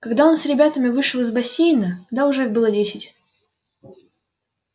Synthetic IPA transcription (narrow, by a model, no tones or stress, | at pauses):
kɐɡd̪ao̞nsɾʲɪbʲat̪əmʲɪvɨʂəlˠɨzbɐsʲejnəd̪aʊʐɛiɣbɨlˠədʲesʲɪtʲ